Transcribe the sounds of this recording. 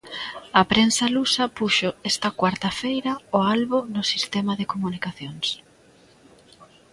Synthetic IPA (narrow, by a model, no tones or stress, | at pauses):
ɐpɾensɐlusɐpuʃoɛst̪ɐkwaɾt̪ɐfejɾɐoalβonʊsist̪ɛmɐðekomunikaθjoŋs